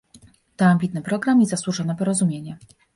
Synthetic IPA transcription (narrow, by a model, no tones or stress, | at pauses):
t̪ɔamʲbʲit̪̚nɘpɾɔɡɾamizaswuʐɔnɛpɔɾɔzumʲjeɲɛ